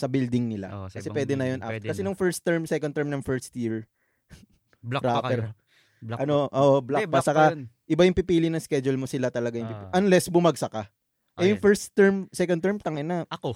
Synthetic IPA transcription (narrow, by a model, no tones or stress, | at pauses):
sɐbild̪ɪŋnɪla̰kɐsɛpwɛːd̪ɛnɐjonʔa̰kɐsɛnʊŋfɛɹst̪ːɛɹmsɛkonɛɹmnɐŋfɛɹst̪jiɹ | ɾapɛɾ | ʔɐnoʔoːʔoblapat͡ʃɐka | ʔɪbajʊŋpipiːlɪnɐŋskɛd͡ʒʊlmosɪlat̪ɐlɐɡajʊpiʔɐnlɛsbʊmɐɡ̚sɐka | ʔɛjʊŋfɛɹst̪ːɛɹmsɛkonɛɹmt̪ɐŋɐnɐɐ